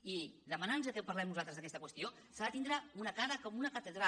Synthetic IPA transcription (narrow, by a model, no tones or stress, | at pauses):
iðəmənanzəkɛwpɐrlɛmnuzalt̪əzðəkɛst̪əkwəst̪io | saðət̪ind̪ɾaunəkaɾəkɔmunəkət̪əðɾa